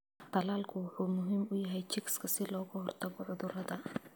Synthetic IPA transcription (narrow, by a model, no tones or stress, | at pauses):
t̪ɐlaːlkʰʊwʊħuːmʊɦiːmʊjɐɦɛjt͡ʃʰɪkskʰɐsɪlɔːɣʊhɔrt̪ʰɐɣɔʕʊðʊɾɐðɐ